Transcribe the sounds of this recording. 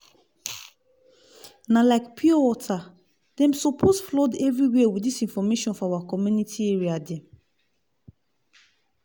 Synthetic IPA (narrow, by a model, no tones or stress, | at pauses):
nãlaɪkpʰiowɔtʰa | d̥ɛ̃msɔpʰosflɔdɛvɹiweewidisĩnfɔmeʃɔ̃nfɔawakɔmjunitʰieɹiadɛ̃m